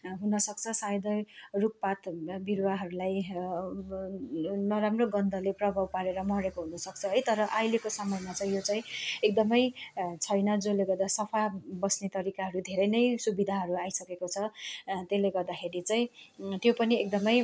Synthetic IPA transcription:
ɦunʌsʌk̚t͡sʰʌsajd̪ʱʌjruk̚pat̪biɾwaɦʌɾulaj | nʌɾamroɡʌnd̪ʱʌleprʌbʱawpaɾeɾʌmʌɾekoɦunʌsʌk̚t͡sʰʌɦʌjt̪ʌɾʌʔajlekosʌmʌemat͡sʌĩjot͡saĩek̚d̪ʌmʌjt͡sʰʌjnʌd͡zoleɡʌrd̪asʌpʰabʌsnet̪ʌɾikaɦʌɾud̪ʱeɾʌjnʌjsubid̪ʱaɦʌɾuajsʌkekot͡sʰʌt̪eleɡʌrd̪akʰeɾit͡saĩt̪jopʌniekd̪ʌmʌj

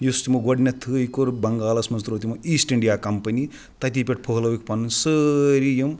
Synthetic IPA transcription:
just̪imoɡoɖnʲɐt̪ʰɨikoɾbɐŋɡaːlɐsmɐnst̪uɾot̪imoiːsʈiɳɖijaːkɐmpɐni | t̪ɐt̪̬ipʲeʈ̚pʰoɦlɐwikpɐnunsəɾijɐm

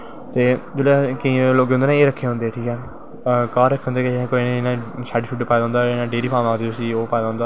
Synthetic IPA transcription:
t̪eːd͡ʒoːlakəĩːloːɡeʊnd̪eːnẽːeːɾəkʰːeːɦʊ̃nd̪eːʈʰiːkɛː | kaːɾəkʰːeːʊ̃nd̪eːkẽkoinːnãːʃaːɖiʃuːʈːpaːd̪aːʊ̃ːnd̪aːnãːɖeːɾiːpʰaːmãːnd̪iːt̪ʊsĩːoːpaːd̪aɦʊ̃nd̪aː

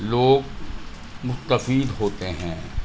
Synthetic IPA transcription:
loːɡ | mʊst̪əfiːd̪ɦoːt̪eɦɛ̃ː

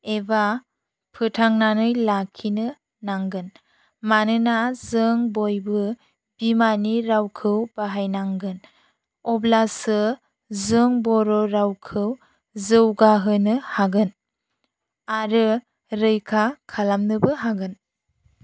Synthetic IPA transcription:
eba | pʰɯtʰaŋnanɯjlakʰinɯ | naŋɡɯn | manɯnazɯŋbojbɯ | b̥imaniɾawkʰɯwb̥aɦajnaŋɡɯn | ɔblasɯ | zɯŋbɔɾɔɾawkʰɯw | zɯwɡaɦɯnɯhaɡɯn | aɾɯ | ɾɯjkʰakʰalamnɯbɯɦaɡɯn

